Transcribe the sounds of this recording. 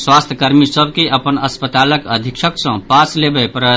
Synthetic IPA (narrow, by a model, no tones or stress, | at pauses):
swast̪ʰəkəɾmisəbʱkiʔəpənəspət̪aləkəd̪ʱikʃʰəksə̃paslebəpɾə